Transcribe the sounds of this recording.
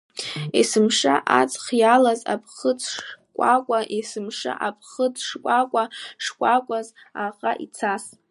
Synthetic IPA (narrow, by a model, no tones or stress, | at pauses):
esɨmʂa̰ʔat͡sʰʼχjalaza̰pʰχət͡sʰʼʂkʷʼakʷʼaʔesɨmʂa̰ʔapʰχət͡sʰʼʂkʷʼakʷʼaʂkʷʼakʷʼazaqʼa̰ʔḭt͡sʰas